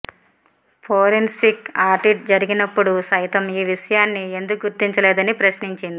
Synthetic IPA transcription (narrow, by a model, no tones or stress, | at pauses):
pʰoːɾinsikaːɾʈiʈ̚d͡ʒɐɾiɡinɐpːuɽusɐjt̪ɐmiːʋiʂɐjaːnːie̞nd̪ukɡuɾt̪iɲt͡ʃɐlɛːd̪ɐnipɾɐʃniɲt͡ʃind̪i